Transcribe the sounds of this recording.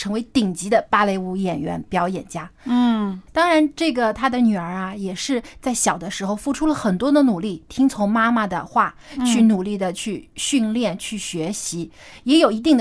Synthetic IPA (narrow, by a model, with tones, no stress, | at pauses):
ʈ͡ʂʰɤ˧˥ŋwe˧˥ɪt̪i˨˩ŋt͡ɕi˧˥d̪ə˧pa˥le˥˧ɪu˥˩jɛ˨˩nɥɛ̰˧˥npjɑ˧˥ʊjɛ˨˩nt͡ɕja˥˩ | t̪ɑ˥ŋɻa˧˥nʈ͡ʂɤ˥˩ɡə˩t̪ʰa˥d̪ə˨ny˨˩ə˞˧˥ɐ˧jɛ˨˩ʂɻ̩˥˧t͡sa˥˩ɪɕjɑ˨˩ʊd̪ə˦ʂɻ̩˧˥xo˧ʊfu˥˩ʈ͡ʂʰu˥lə˨xə˨˩nt̪wɔ˥d̪ə˨nu˨˩li˥˩t̪ʰi˥ŋt͡sʰʊ˧˥ŋma˥ma˨d̪ə̰˩xwa˥˩t͡ɕʰy˥˩nu˨˩li˥˩d̪ə˩t͡ɕʰy˥˧ɕy˥˧nljɛ˥˩nt͡ɕʰy˥˩ɕɥɛ˧˥ɕi˧˥jɛ˧˥jo˨˩ʊi˧˥t̪̬i˥˩ŋd̪